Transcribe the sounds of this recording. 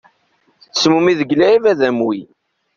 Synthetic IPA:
θsmumiðəɡlæivæðæmwi

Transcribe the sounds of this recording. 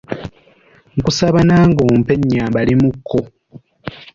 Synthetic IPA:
ŋkusaβanaːŋɡoːmpe̞ɲːaːmbalimukʰːo

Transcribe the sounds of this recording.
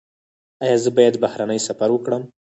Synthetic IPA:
ajɑzəbɑjad̪bahɾanəjsafaɾwəkɽəm

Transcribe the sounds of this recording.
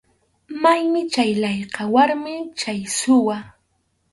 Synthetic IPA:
majmɪt͡ʃajlajqɑwaɾmɪt͡ʃajsʊwa

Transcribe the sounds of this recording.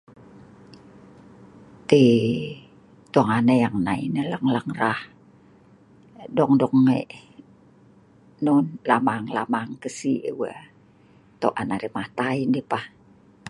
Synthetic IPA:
t̪i | t̪uaŋanəjaŋnainələŋləŋrah | dɔŋdɔŋːḛʔ | nunlamaŋla̰maŋkəsiʔə̰wə̰ | t̪o̰ʔanaɾimaht̪aindipah

